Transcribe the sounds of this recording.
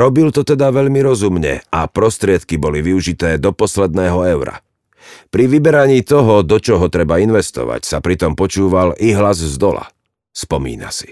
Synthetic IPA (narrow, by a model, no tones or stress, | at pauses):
ɾɔbilt̪ɔt̪ɛd̪aʋɛʎmiɾɔzumɲɛ̰a̰pɾɔst̪ɾɪɛt̪kibɔliʋiuʒit̪ɛːd̪ɔpɔslɛd̪nɛːɦɔɛʊɾa̰ | pɾiʋibɛɾaɲiːt̪ɔɦɔd̪ɔt͡ʃɔɦɔt̪ɾɛbainʋɛst̪ɔ̰ʋa̰csapɾit̪ɔmpɔt͡ʃuːʋaliɦlazzd̪ɔla̰ | spɔmḭːna̰si̥